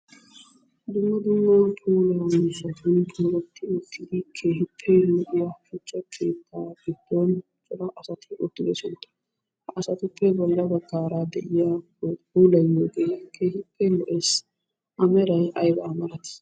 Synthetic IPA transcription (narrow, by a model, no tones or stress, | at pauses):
d̪ʊmːɐd̪ʊmːɐpʰuːlɐwɐmɪʃɐt̪unɪkʰɔɡɐt̪ʰːɪʊt̪ʰːɪd̪ɪkʰe̞ːhɪpʰːɛlɔʔɪjɐfʊkt͡ʃʼːɐkʰe̞ːt̪ʰːaːɡɪd̪̥ːɔn | t͡ʃʼːɔd̪ɐʔɐsɐt̪ʰɪʔʊt̪ːɪɡ̪ɛsɛnt̪ːɐ̥ | ɐsɐt̪ʊpːɛbɔlːɐbɐɡːaːɾad̪ɛʔɪja | pʰuːlɐjːoːɡɛjɐkʰeːhɪpʰːɛlɔʔeːs | ʔɐmɛɾɐjʔɐjbɐːmɐɾɐt̪ɪ̥